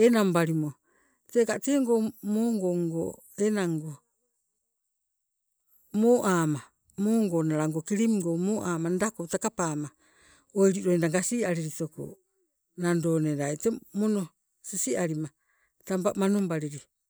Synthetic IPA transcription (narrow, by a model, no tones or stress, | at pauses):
enambaɾimo | tekateːŋɡomoŋɡoŋɡo̰ | enaŋɡo | moːʔaːma | moŋɡonaɾaŋɡokiɾimŋɡomoːʔaːmandakotakapaːma | ojɾiɾoindaŋɡasiaɾiɾitoko̰ | nandoneɾajtemono | sisiaɾima | tampaʔmanombaɾiɾi